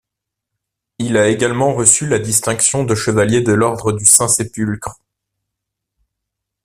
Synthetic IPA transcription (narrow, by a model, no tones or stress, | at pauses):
ilaeɡalmɑ̃ʁəsylad̪ist̪ɛ̃ksjɔ̃d̪əʃəvaljed̪əlɔʁd̪ʁəd̪ysɛ̃sepylkχ